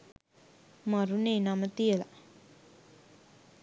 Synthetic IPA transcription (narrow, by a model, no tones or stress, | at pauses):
maɾuneːnamət̪ijəla